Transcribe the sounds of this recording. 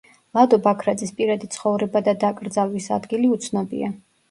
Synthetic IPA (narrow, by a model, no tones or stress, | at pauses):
lˠad̪ɔbakʰɾad̪zispʼiɾad̪it̪sʰχɔvɾɛbad̪ad̪akʼɾd̪zalˠwisa̰d̪ɡiliut̪sʰnɔbḭa